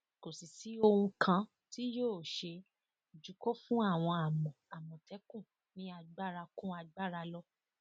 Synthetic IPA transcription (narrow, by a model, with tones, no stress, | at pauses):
ko˨si˨si˨˦o˧wũ˧kʰã˧ | ti˦joː˦˨ʃe˧˨ | d͡ʒu˨˦kɔ˦fũ˦a˦˨w̃ɔ̃˧a˨mɔ̃˨a˨mɔ̃˨tɛ˨˦kũ˦˨ | nĩ˦a˧ɡ͡ba˦˨ɾa˧kũ˦a˧ɡ͡ba˦˨ɾa˧lɔ˦